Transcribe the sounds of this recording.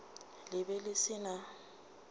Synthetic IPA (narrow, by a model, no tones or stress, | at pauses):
lɪbɛlɪsɪna